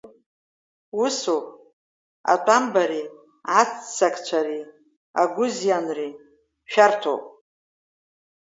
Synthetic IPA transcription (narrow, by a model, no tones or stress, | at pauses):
usopʼ | a̰tʷʼambaɾi | at͡sʰt͡sakʰʼt͡ʃʷʰaɾi | aɡʷʊzjanri | ʃᶣartʰo̰wpʼ